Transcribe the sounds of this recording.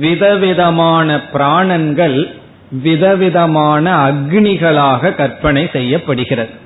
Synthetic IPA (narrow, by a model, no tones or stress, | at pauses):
ʋɪðɐʋɪðɐmaːnɐpɪɾaːɳɐnɡɐɭ | ʋɪðɐʋɪðɐmaːnɐːɡɳɪɣɐɭaːɣɐkɐɾpɐɳɐɪsɛjːɐpːɐɽɯɣɪrɐðɯ